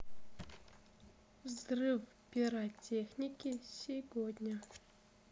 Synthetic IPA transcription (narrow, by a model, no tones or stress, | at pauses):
vzrɨf | pʲɪɾatʲexnʲikʲɪsʲɪvod̪ʲnʲɐ